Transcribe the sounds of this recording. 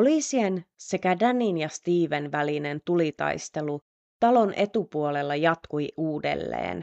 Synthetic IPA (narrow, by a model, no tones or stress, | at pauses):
oliːsiense̞kædænːinjɑst̪iːʋe̞nʋæline̞nt̪ulit̪ɑ̰jst̪e̞lu | t̪ɑlo̞nʔe̞t̪upuo̞le̞lːɑjɑt̪kujuːde̞̰lːḛːn